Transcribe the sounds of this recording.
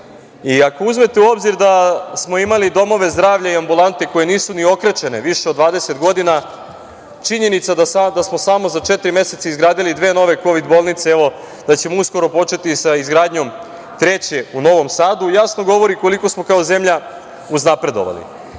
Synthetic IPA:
iako̞uzme̞t̪e̞uo̞bziɾd̪asmo̞imalid̪o̞mo̞ʋe̞zd̪ɾaːʋʎaiambulˠant̪e̞ko̞je̞niːsunio̞kɾe̞t͡ʃe̞ne̞ʋiʃeod̪ʋaːd̪e̞se̞t̪ɡo̞d̪ina | t͡ʃiɲe̞nit̪sad̪asad̪asmo̞samo̞zat͡ʃe̞t̪ɾime̞se̞t̪saizɡɾaːd̪ilid̪ʋeːno̞ʋe̞ko̞ʋid̪bo̞ːlˠnit̪seeʋo̞ | d̪̥at͡ɕe̞mousko̞ɾo̞po̞t͡ʃe̞t̪isaizɡɾaːd̪ɲo̞m | t̪ɾe̞t͡ɕe̞uno̞ʋo̞msaːd̪ujasno̞ɡo̞ʋo̞ɾiko̞liko̞smo̞kao̞ze̞mʎa | uznapɾe̞d̪o̞̰ʋa̰lḭ

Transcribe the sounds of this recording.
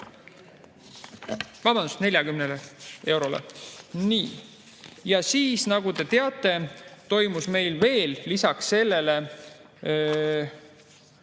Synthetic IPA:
vɑb̥ɑnd̪u̥st̪ne̞lʲjɑkymnelee̞wɾo̞lḛniː | jɑsiːsnɑɡ̥ut̪e̞t̪e̞ɑt̪ːˑe̞t̪o̞jmusme̞jlve̞ːlːisɑksːe̞lːe̞le̞

